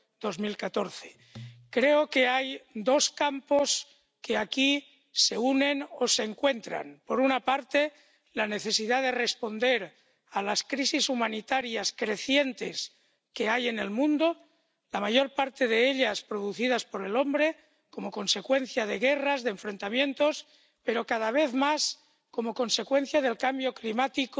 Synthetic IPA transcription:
d̪̥o̞zmilkat̪o̞ɾθe̞̥ | kɾe̞oke̞ajd̪o̞skampo̞s | ke̞aki | se̞une̞nose̞ːŋkwe̞nt̪ɾa̰npo̞ɾunapaɾt̪e̞ | lane̞θe̞siðaðe̞re̞spo̞nd̪e̞ɾ | alaskɾisisumãnit̪aɾjaskɾe̞θje̞nt̪e̞s | ke̞aje̞ne̞lmũnd̪o̞ | lamajo̞ɾpaɾt̪e̞ðeeʎaspɾo̞ðuθið̞aspo̞ɾelo̞mbɾe̞ | ko̞mo̞ko̞nse̞kwe̞n̟θjað̞e̞ɣe̞razðeɱfɾe̞nt̪amjẽ̞nt̪o̞s | pe̞ɾo̞kaðaβ̞e̞θmas | ko̞mo̞ko̞nse̞kwe̞n̟θjað̞e̞lkambjo̞klimat̪ik

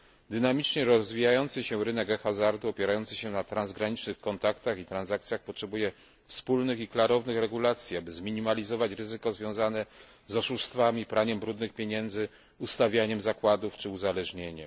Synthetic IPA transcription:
d̪ɘnamʲit͡ʂɲɛɾɔzvʲijajɔnt̪sɘɕɛvɾɘnɛkɛkxazaɾd̪uɔpʲjɛɾajɔnt̪sɘɕɛnat̪ɾanzɡɾaɲit͡ʂnɘxkɔnt̪akt̪axit̪ɾanzak̚t̪sʲjaxpɔtʂɛbujɛ | fspulnɘxiklaɾɔvnɘxɾɛɡulat̪sʲjiabɘzmʲiɲimalʲizɔvat͡ɕɾɘzɘkɔzvʲjɔ̃w̃zanɛ | zɔʂuʂst̪famʲipɾʔaɲɛmbɾud̪nɘxpʲjeɲɛnd̪zɘ | ust̪avʲjaɲɛmzakwad̪uft͡ʂɘuzalɛʐɲeɲɛm

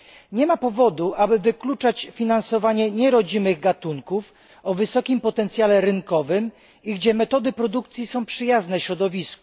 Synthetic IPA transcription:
ɲɛmapɔvɔd̪uʔabɘvɘklut͡ʂat͡ɕfʲinansɔvaɲɛɲɛɾɔd͡ʑimɘɣɡat̪uŋkuf | ɔvɘsɔkʲimpɔt̪ɛnt̪sʲjalɛɾɘŋkɔvɘm | iɡd͡ʑɛmɛt̪ɔd̪ɘpɾɔd̪uk̚t̪sʲjisɔ̃w̃pʂɘjaznɛɕɾɔd̪ɔvʲisku̥

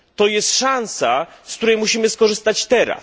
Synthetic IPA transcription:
t̪ɔjɛst̪ʂansa | skt̪uɾɛjmuɕimɘskɔʐɘst̪at͡ɕt̪ɛɾa̰s

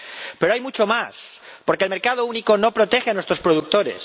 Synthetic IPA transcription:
peɾoajmut͡ʃomaspo̞ɾkelme̞ɾkað̞ouniko̞no̞pɾot̪exeanwest̪ɾospɾoðuk̚t̪o̞ɾe̞̰s

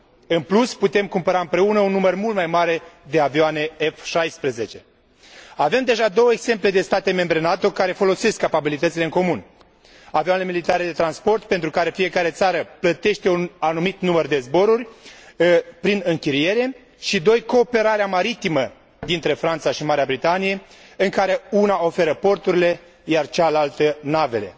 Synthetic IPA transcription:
ɨnplusput̪e̞mkumpəɾaɨmpɾe̞unəunːumərmult̪̚majmaɾe̞d̪e̞avioane̞efʃajspɾeze̞t͡ʃe̞ | ave̞md̪e̞ʒad̪o̞wəeɡz̥e̞mple̞d̪e̞st̪at̪e̞me̞mbɾe̞nat̪o̞kaɾe̞fo̞lo̞se̞skːapabilit̪ət̪sile̞ɨŋko̞mun | aviane̞milit̪aɾe̞d̪e̞t̪ɾanspo̞rt̪̚pent̪ɾukaɾe̞fije̞kaɾe̞t̪saɾəplət̪e̞ʃt̪e̞unanumit̪numərd̪e̞zbo̞ɾurʲ | pɾinɨŋkʲiɾije̞ɾe̞ | ʃid̪o̞jko̞ːpe̞ɾaɾeamaɾit̪imə | d̪int̪ɾe̞fɾant̪saʃimaɾeabɾit̪anije̞ | ɨŋkaɾe̞unao̞fe̞ɾəpo̞rt̪uɾile̞ | jart͡ʃalalt̪ənave̞̰le̞̰

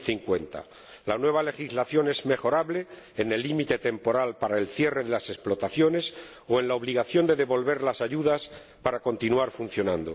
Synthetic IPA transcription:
θiŋkwe̞nt̪a̰ | lanwe̞βale̞xizlaθjo̞ne̞zme̞xo̞ɾaβle̞ː | ne̞lːimit̪e̞t̪e̞mpo̞ɾalpaɾaelθje̞re̞ðe̞lase̞splo̞t̪aθjo̞ne̞s | oe̞nlao̞β̞liɣ̞aθjo̞nd̪e̞ðe̞βo̞lβe̞ɾlasaʝuðas | paɾako̞nt̪inuaɾfun̟θjo̞nã̰nd̪o̰

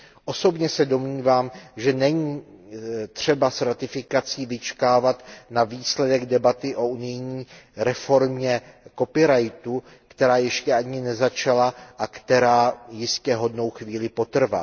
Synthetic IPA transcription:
ʔo̞so̞bɲɛsɛdo̞mɲiːvaːmʒɛnɛɲiː | t̪r̝̥ɛbasɾat̪ɪfɪkat͡siːvɪt͡ʃkaːvat̪naviːslɛdɛɡdɛbat̪ɪʔo̞ʔunɪjɲiːɾɛfo̞ɾmɲɛko̞pɪɾajt̪u | kt̪ɛɾaːjɛʃcɛʔaɲɪnɛzat͡ʃalaʔakt̪ɛɾaːjɪscɛɦo̞dno̞wxviːlɪpo̞t̪r̩va̰

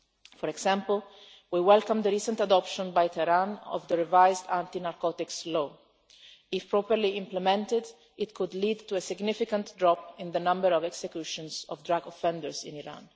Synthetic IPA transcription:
fɔɾɛɡsãmpəl | wiwɛlkãmd̪əɾiːsə̃nt̪ad̪ɔpʃɔ̃nbajt̪ʰɛɾãnɔ̰vd̪əɹɛvajzd̪ãnt̪inaɾkɔt̪ɪkslo | ɪfpɹɔpəɾliɪ̃mplɛmɛ̃nt̪ɪd̪ | ɪt̪kʰud̪lid̪t̪uesɪɡnɪfɪkãnt̪dɹɔpɪ̃nd̪ənãmbəɾɔvɛksɛkjuʃɔ̃nsɔvd̪ɹaɡɔfɛ̃ndəɹsḭ̃niɹã̰n

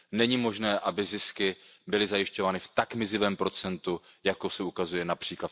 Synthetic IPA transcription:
nɛɲimo̞ʒnɛːʔabɪzɪskɪbɪlɪzajɪʃco̞vaːnɪft̪akmɪzɪvɛːmpɾo̞t͡sɛnt̪ujakosɛukazujɛnapr̝̥iːkla

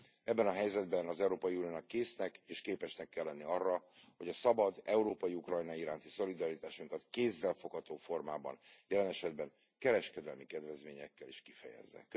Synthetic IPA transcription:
ɛbːɛnɒɦɛjzɛd̪bɛnɒzɛuɾoːpɒjunioːnɒkːeːsnɛkeːʃkeːpɛʃnɛkːɛlːɛnːiɒrːɒho̞ɟɒsɒbɒd̪ɛuɾoːpɒjiukrɒjnɒiɾaːnt̪iso̞lid̪ɒɾit̪aːʃuŋkɒt̪keːzːɛlfo̞khɒt̪oːfo̞rma̰ːbɒ̰njɛlɛnɛʃɛd̪̚bɛŋ | kɛɾɛʃkɛd̪ɛlmikɛd̪vɛzmeːɲɛkːɛliʃkifɛjɛ̰zːɛ̰k

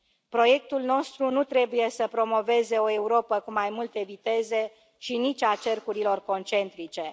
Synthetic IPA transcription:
pɾo̞je̞k̚t̪ulno̞st̪ɾunut̪ɾe̞buje̞səpɾo̞mo̞ve̞ze̞o̞e̞uɾo̞pəkumajmult̪e̞vit̪e̞ze̞ | ʃinit͡ʃʲat͡ʃe̞rkuɾilo̞rko̞nt͡ʃe̞nt̪ɾit͡ʃe̞

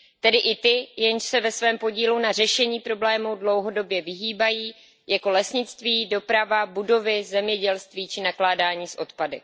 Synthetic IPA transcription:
t̪ɛdɪʔɪt̪ɪjɛnʃsɛvɛsvɛːmpo̞ɟiːlunar̝ɛʃɛɲiːpɾo̞blɛːmuwdlo̞wɦo̞do̞bjɛvɪɦiːbajiː | jako̞lɛsɲɪt͡st̪viːdo̞pɾavabudo̞vɪzɛmɲɛɟɛlst̪viːt͡ʃɪnaklaːdaːɲiːsʔo̞t̪padɪ

